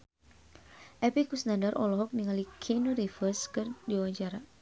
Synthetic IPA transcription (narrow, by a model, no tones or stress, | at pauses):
ʔɛpikusnandəɾʔɔ̰lɔɦɔk̚niŋalikʰinoɾifərskɨrdiwad͡ʒaɾa